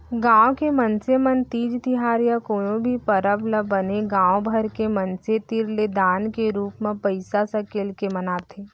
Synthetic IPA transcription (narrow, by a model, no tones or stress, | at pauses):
ɡãːwkemənsemənt̪iːd͡ʒt̪iɦaːɾjakoːjõbʱipəɾəbləbːəneɡãːwbʱəɾkemɐnset̪ɪɾled̪aːnkeɾuːpmẽpəɪsasɐ̃keːlkemənaːt̪ʰeː